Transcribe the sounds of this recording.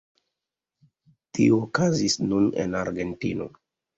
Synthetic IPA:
tioːkazisnunḛnaɾɡe̞ntino̞̰

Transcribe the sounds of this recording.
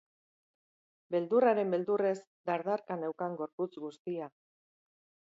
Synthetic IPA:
be̞ld̪uraɾe̞mbe̞ld̪ure̞z | d̪aɾðaɾkanewkaŋɡo̞ɾput͡sɣust̪ia

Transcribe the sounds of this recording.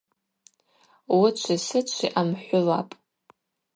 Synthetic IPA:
wʊt͡ʃʷʰasɨt͡ʃʷʰiʔamħʷʊla̰pʼ

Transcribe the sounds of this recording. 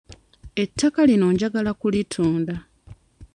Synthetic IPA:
e̞tʰːakalino̞ːɲɟaɡalakulitʰuːnda

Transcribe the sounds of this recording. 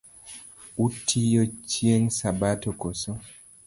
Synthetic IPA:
utʰːijɔt͡ʃieŋsabatɔkoso

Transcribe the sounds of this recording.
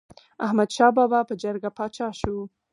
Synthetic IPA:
ahmad̪ʃɑbɑbɑpəd͡ʒəɾɡapɑt͡ʃɑʃu

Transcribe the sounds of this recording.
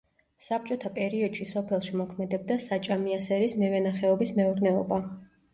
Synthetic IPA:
sap̚t͡ʃʼɔt̪ʰapʼɛɾiɔd̪̥ʃisɔpʰɛlˠʃimɔkʰmɛd̪ɛb̚d̪asat͡ʃʼamiasɛɾismɛvɛnaχɛɔbismɛuɾnɛɔ̰ba

